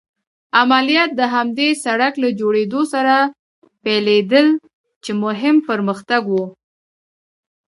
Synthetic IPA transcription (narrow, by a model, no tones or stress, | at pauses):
amalijɑt̪̚d̪əɦamd̪esaɽaklad͡ʒoɽed̪osaɾa | peled̪əl | t͡ʃemʊɦɪmpəɾməxt̪aɡwu